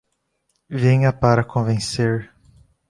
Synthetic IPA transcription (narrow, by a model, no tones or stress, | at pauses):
vẽɲɐpaɾɐkʰõvẽseɾ